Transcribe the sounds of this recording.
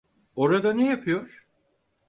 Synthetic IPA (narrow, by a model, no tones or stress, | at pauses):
o̞ɾad̪anejapʰɯjo̞ɾ̥